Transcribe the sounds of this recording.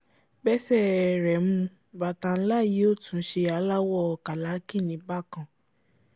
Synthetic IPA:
bɛ˦sɛ˦˨ɾɛ˨mũ˧ | ba˨ta˧n̩˦la˦˨ji˨˦o˦˨tũ˨˦ʃe˧a˧˦la˦wɔ˦˨ka˨la˨˦kĩ˦˨nĩ˨˦ba˦˨kã˧˨

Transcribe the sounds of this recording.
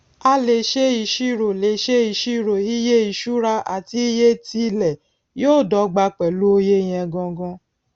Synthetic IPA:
a˧le˨ʃe˦i˧˨ʃi˦˨ɾo˨le˨ʃe˦i˧˨ʃi˦˨ɾo˨i˦je˦i˨ʃu˦ɾa˧a̰˨ti˧˦je˦ti˧lɛ˨ | joː˦˨dɔ˨˦ɡ͡ba˧k͡pɛ˨lu˦o˧je˦j̃ɛ̃˧ɡɔ̃˧ɡɔ̃˧˦

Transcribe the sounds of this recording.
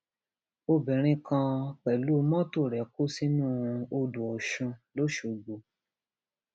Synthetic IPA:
o˧bɛ̃˨ɾ̃ĩ˧kã˧k͡pɛ˨lu˨˦˧mɔ̃˦to˦˨ɾɛ˨ko˦si˦nũ˦˨˧o˧du˨ɔ˨ʃũ˧lo˦ʃo˨˧ɡ͡bo˨

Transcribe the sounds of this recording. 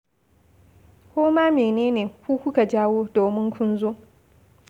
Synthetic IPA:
kʷoː˦maː˦meː˨neː˦neː˨kʷuː˦kʷʊ˦ka˨d͡ʒaː˦woː˦doː˨mɪ˦ŋkʷʰʊ˦nzoː˦

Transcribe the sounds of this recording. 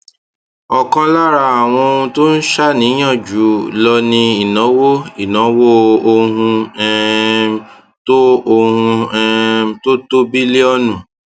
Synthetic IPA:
ɔ˨kɔ̃˧la˦ɾa˦˨a˨w̃ɔ̃˧to˦n̩˦ʃa˦˨nĩ˨˦j̃ã˦˨d͡ʒu˨˦lɔ˧nĩ˧i˨nɔ̃˨˦wo˦i˦˨nɔ̃˨˦wo˦o˧ɦũ˧ɛ˦ | to˦o˧hũ˧ɛ˧to˦to˦bi˦le˦ɔ˦nũ˨

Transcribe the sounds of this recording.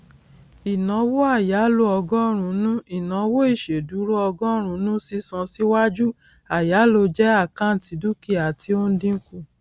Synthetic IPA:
i˨nã˨˦wo˦a˦˨ja˨˦lo˦ɔ˧ɡɔ˦ɾ̃ũ˨˧˨nũ˦i˨nã˨˦wo˦i˦˨ʃe˨du˨˦ɾo˦ɔ˧ɡɔ̃˦ɾ̃ũ˧˦nũ˦si˦sã˧si˦wa˦d͡ʒu˦ | a˨ja˨˦lo˧d͡ʒɛ˦a˦˨kã˦n̩˨ti˧du˦ki˦˨a˨tʰi˧˦o˦n̩˦dĩ˦ku˦˨

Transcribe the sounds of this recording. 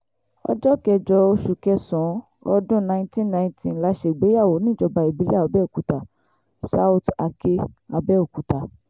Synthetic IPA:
ɔ̰˧d͡ʒɔ˦kɛ˧d͡ʒɔ˧o˧ʃu˨kɛ˧sɔ̃˨˦ | ɔ˧dũ˦nã˧˦ĩ˦tĩ˦nã˧ĩ˧tʰĩ˧˨la˨˧˦ʃe˧˨ɡ͡be˨˦ja˦˨wo˨˦nĩ˦˨d͡ʒɔ˧ba˧i˨bi˨˦li˦a˦˨ɔ˨˧bɛ˦o˨ku˨˦ta˨ | sa˧u˧ta˧ke˧a˨˧bɛ˦o˨ku˨ta˨

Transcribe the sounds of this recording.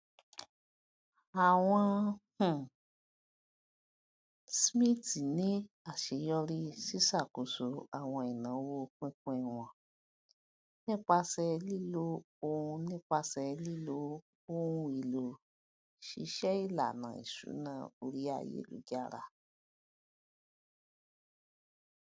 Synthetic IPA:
a˨w̃ɔ̃˧hũ˨ | smĩ˦ti˨nĩ˨˦ | a˨ʃe˨˧jɔ˧ɾi˦si˦sa˦˨ko˨so˨a˨w̃ɔ̃˧i˨nã˨˦wo˦˧kĩ˦kũ˧i˨w̃ɔ̃˨ | nĩ˦k͡pa˧sɛ˧li˦lo˦ | o˧ũ˧nĩ˦k͡pa˧sɛ˧li˦lo˧˦ | o˦ũ˧i˨lo˨ | ʃi˧ʃɛ˦i˦˨la̰˨nã̰˨ḭ˨sṵ˨˦nã˧˦o˧ɾi˦a̰˦˨jḛ˨˦lṵ˨˦ɡa˦ɾa̰˧

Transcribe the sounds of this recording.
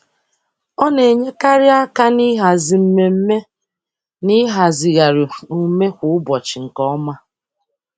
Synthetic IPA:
ɔ˦ne˨ɲe˦ka˦ɾɪ˦a˦ka˦ni˦ɦa˨zi˨m̩˦me˨m̩˦me˦ | ni˦ɦa˨zi˨ɣa˨ɾɪ˨u˨me˦kʷʊ˦ʊ˦bɔ˨t͡ʃɪ˨ŋ̩˨kɔ˦ma˦

